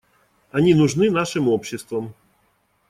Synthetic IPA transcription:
aɲinuʐnɘnaʂɛmwɔpɕɘst̪fɔm

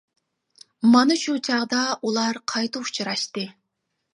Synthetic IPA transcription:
mɑnɨʃut͡ʃʰɑʁd̪ɑulˠɑɾqʰɑjt̪ɨu̥t͡ʃʰɨɾɑʃt̪ɨ

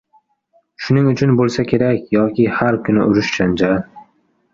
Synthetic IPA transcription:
ʃʊnɪŋʊt͡ʃʰʊnbolˠsakʲʰe̞ɾakʲjɒkʲɪhaɾkʰʊnɪʔʊɾɪʃt͡ʃʰand͡ʒaɾ

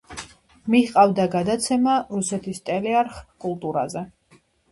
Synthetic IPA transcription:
miqʼavd̪aɡad̪at̪sʰɛmaɾusɛt̪ʰist̪ʼɛlɛaɾχkʼulˠt̪ʼuɾa̰zɛ

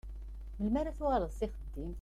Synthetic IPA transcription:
məlmæɾaθuʁaɾəðˤsɪχəd̪ːim

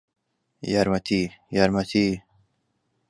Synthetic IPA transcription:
jaɾmɐt̪ijaɾmɐt̪ʰi

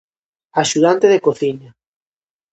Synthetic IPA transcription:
aʃuðant̪eðekoθiɲa

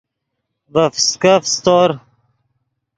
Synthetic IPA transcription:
vəfskəfst̪oɾ

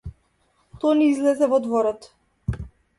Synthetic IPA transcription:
t̪ɔniizlɛzɛvɔd̪vɔɾɔt̪

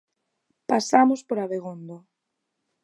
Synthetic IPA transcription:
pasamospoɾaβeɣond̪o

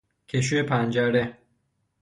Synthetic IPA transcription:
cʰeʃ̬ujepʰænd͡ʒæɾe

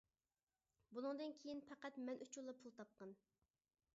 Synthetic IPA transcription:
bulˠɨŋd̪ɨnkʲʰejinpʰɛqæt̪mɛnʔut͡ʃʰulˠːɑpʰulˠt̪ʰɑp̚qɑn

